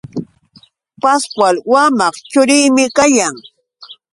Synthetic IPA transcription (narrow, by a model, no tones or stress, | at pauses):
paskwalwamɑχt͡ʃʊɾɪjmɪkajaŋ